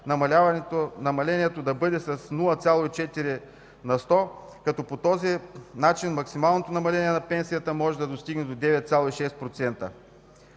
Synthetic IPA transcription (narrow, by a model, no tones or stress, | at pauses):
nɐmɐlʲavɐɛt̪onɐmɐlɛniɛt̪od̪ɐbɤd̪ɛsɐsnulˠɐt̪sʲjalˠoit͡ʃɛt̪iɾi | nɐst̪ɔ | kɐt̪ɔpot̪ɔzinat͡ʃinmɐksimalˠnot̪onɐmɐlɛniɛnɐpɛnsijɐt̪əmɔʒɛd̪ɐd̪ost̪iɡnɛd̪od̪ɛvɛt̪̚t̪sʲjalˠoiʃɛst̪̚pɾot̪sɛnt̪ə̰